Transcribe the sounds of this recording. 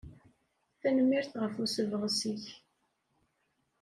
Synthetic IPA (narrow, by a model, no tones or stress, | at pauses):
θænmːiɾθʁəfusəvəʁsiç